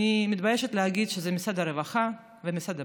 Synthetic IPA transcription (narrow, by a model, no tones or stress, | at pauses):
imit̪bajeʃet̪leɦaɡid̪ʃezemisad̪aɾevaχa | vemisad̪a